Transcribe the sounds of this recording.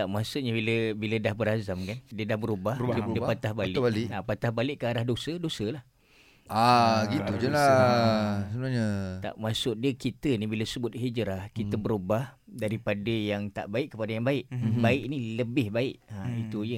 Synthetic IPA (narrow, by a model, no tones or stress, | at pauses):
t̪aʔmasʊʔɲabiləbilədahbəɾazamkandiədahbəɾubahildiəpat̪ahbalɪlʔapat̪ahbalɪʔkəaɾahdosədosəlah | aɡit̪ud͡ʒala | səbənaɲat̪a̰ʔmasʊʔdiəkit̪ənibiləsəbʊt̪̚hid͡ʒɾahkit̪əbəɾubahdaɾipadəjaŋt̪a̰ʔbaɪʔkːəpadajaŋbaɪʔbaɪʔniləbɪhbaɪʔait̪ujə